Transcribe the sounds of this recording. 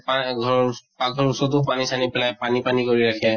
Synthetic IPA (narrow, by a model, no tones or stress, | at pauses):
paɡʱɔpaɡʱɔɹusɔt̪ukpanisanipɛlajpanipanikoɹiɹakʰɛ